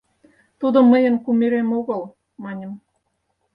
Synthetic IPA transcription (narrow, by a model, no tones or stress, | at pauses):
t̪ud̪ŏmə̆jə̆nkumʲeɾemoɣɤ̆lˠ | mɑnʲə̆m